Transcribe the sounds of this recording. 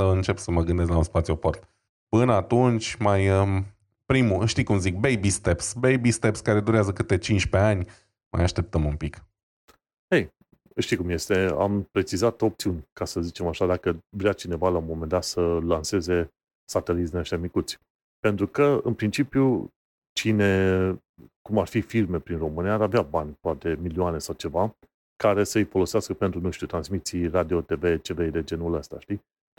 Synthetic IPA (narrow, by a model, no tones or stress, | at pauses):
əɨnt͡ʃe̞psəməɡɨnd̪e̞s̬t̪launspat̪sijuoport̪ | pɨnəat̪unt͡ʃʲmajə | pɾimuʃt̪ikumzik̚bejbist̪e̞psbejbist̪e̞pskaɾe̞d̪uɾeazəkɨt̪et͡ʃint͡ʃʲpe̞anʲ | ma̰jaʃt̪e̞p̚t̪əmunpik | hej | əʃt̪ijkumje̞st̪e̞a̰mpɾe̞t͡ʃizat̪o̞pt̪iunʲkasəzit͡ʃe̞maʃad̪akəvɾeat͡ʃine̞valaumo̞me̞nd̪at̪səlanse̞ze̞ | sat̪elit̪d̪inaʃt̪ʲamikut̪sʲ | pe̞nt̪ɾukəɨ̰npɾint͡ʃipiju | t͡ʃine̞ | kumarfifirme̞pɾinro̞mɨnijaːɾaveabanʲpoat̪e̞milioane̞sawt͡ʃe̞va | kaɾe̞səɨjfo̞lo̞seaskəpe̞nt̪ɾunuʃt̪ʲut̪ɾansmit̪sirad̪io̞t̪e̞ve̞t͡ʃe̞ve̞d̪e̞d͡ʒe̞nuləst̪a̰ʃt̪i